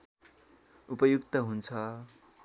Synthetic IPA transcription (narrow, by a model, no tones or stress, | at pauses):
upʌjukt̪ʌɦunt͡sʰʌ